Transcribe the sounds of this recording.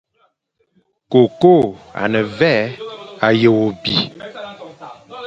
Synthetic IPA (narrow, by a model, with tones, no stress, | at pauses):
ko˨ko˦˨a̰˨nə˨vɛ˦a˨jə˨wo˨bi˨